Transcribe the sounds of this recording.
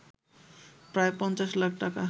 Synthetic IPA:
pɾaepʌnt͡saslakʰʈaka

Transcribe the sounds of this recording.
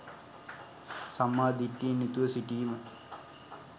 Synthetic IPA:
samːaːd̪iʈːiːnːit̪uʋəsiʈiːmə

